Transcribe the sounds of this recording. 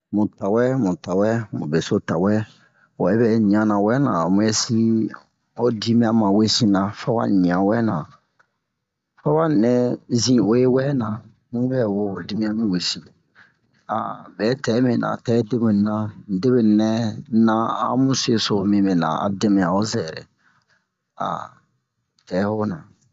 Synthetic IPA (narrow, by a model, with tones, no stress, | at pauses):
mũ˨ta˨wɛ˦mũ˨ta˨wɛ˦mṵ̃˨be˨so˦ta˨wɛ˦ | wo˨ɛ˦bɛ˨ɲĩ˨ã˨nã˨wɛ˦nã̰˨mũ˦ɛ˦si˦ | o˦di˦mĩ˦ã˨mã˨we˦sĩ˦nã˨fa˦wa̰˦ɲĩ˨ã˨wɛ˦nã˨ | fa˦wa˦n˨nɛ̃˦zĩ˨o˨je˦wɛ˦nã˨ | mũ˦bɛ˦wo˦o˨di˦mĩ˦ã˦mĩ˦we˨sĩ˨ | a̰˨bɛ˨˦tɛ˨˦mĩ˨nã̰˨tɛ˨˦de˦mẽ˨n˨nã˦˨de˦be˨nɛ̃˦nã˦a̰˦mũ˦se˨so˨mĩ˨mɛ˨nã̰˨a̰˨de˦mɛ˨a˨o˦zɛ˨ɾɛ̰˨ | a̰˨ | tɛ˨˦ho˦nã̰˨